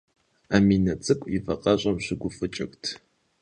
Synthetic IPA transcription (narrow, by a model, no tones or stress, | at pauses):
amiːnɐt͡sʼɨkʷʼjifɐqʼɐɕʼɐmɕɪɡʷʊfʼɨt͡ʃʼɐ̰ktʰ